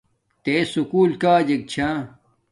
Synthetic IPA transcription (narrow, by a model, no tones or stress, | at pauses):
t̪esukuːlkaːd͡ʑɐk̚t͡ɕʰaː